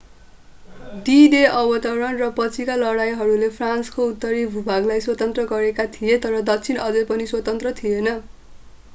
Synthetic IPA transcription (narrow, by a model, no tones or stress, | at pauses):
d̪id̪eʔʌbʌt̪ʌwɾʌnrʌpʌt͡sʰikalʌɽajɦʌɾulepʰranskout̪ːʌɾibʱubʱaɡlajswʌt̪ʌnt̪rʌɡʌɾekat̪ʰijet̪ʌɾʌd̪ʌk̚t͡sʰinʌd͡zʌpʌniswʌt̪ʌnt̪rʌt̪ʰijenʌ